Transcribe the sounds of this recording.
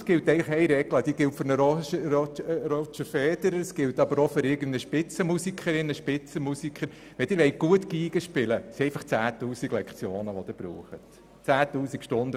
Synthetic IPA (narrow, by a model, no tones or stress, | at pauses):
sɡ̥ɪltɛɪŋləχɛɪjɾɛɡ̥ləd̥iːɡɪltføɾnəɾɔʃəɔɾɔt͡ʃəfɛːd̥̪əɾəɾəsɡ̥ɪltɑb̥əɾoføɾɪɾɡən̩dəʃpɪt͡səmusikχəɾɪnːəʃpɪt͡səmusikχəɾ | ʋɛd̥̪ɪɾʋɛɪt̚ɡ̥uətkiːɡ̥əʃpɪləsiɛɪfɑχt͡sæːtuːsiɡlɛkχt͡sjoːnəʋɔd̥̪ɪb̥ɾṵːχət | t͡sæːtuːsikʃtʊndə